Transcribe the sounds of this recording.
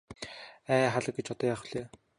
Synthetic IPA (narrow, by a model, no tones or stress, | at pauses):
æːχaɮə̆kɡet͡ɕɔt̪ɔːjaːχwɮeː